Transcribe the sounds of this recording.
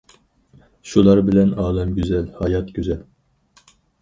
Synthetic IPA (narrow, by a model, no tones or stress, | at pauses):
ʃulˠɑɾbɪlɛnɑːlɛmɡʲyzɛlhɑjɑt̪ɡʲyzɛl